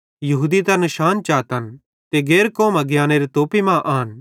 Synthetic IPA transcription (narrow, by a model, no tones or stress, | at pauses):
jɐɦuːd̪it̪ɐnɪʃaːnt͡ʃaːt̪ən | t̪eɡeːɾkoːmaɡjaːneɾit̪oːpimãʔaːɦən